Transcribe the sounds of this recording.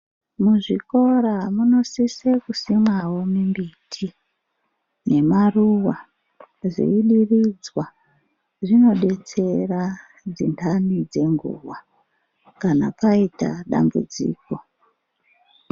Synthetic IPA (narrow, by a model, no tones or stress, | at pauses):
muʐiko̞ɾamuno̞sisekusimwawo̞mimbitʰi | ne̞maruwa | zḛiɗirid͡zwa | ʐino̞ɗe̞t͡se̞ra | d͡zintʰanid͡ze̞ŋɡṵwa | kanapaita̰ɗa̰mbṵd͡zḭːko̞